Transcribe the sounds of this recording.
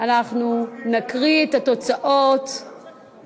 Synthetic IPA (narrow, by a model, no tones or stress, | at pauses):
anaχnunakʁiet̪ato̞t͡saʔot̪